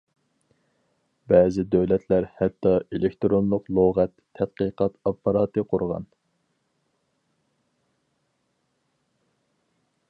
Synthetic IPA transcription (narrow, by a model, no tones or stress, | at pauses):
bɛːzɪd̪øwlɛt̪ʰlæɾhɛt̪ːɑelɪkʲt̪ɾonlˠʊqlˠoʁɛt̪ʰːɛt̪̚qəqɑt̪ɑpːɑɾɑːt̪ɨqʰʊɾʁɑ̰n